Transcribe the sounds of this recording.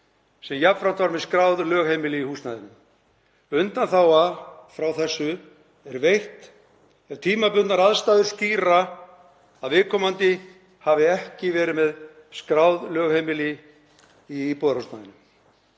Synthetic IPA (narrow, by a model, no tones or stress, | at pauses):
sɛmjap̪fɾan̥t̪vaɾmɛðskɾawðlœːɣhejmɪlɪihuːsnaðɪnːʏm | ʏnt̪anθawafɾawθɛsːʏ | ɛɾvejht̪ | ɛɾ̥t̪ʰiːmapʏnnaɾaðst̪aːðʏ̥st̪iːɾa | aðvɪðkʰɔːmant̪ɪ | havɪɛhcɪvɛːɾɪmɛð | skɾawðlœːɣhejmɪlɪ | ipɔːðɾust̪na̰jðɪnːʏm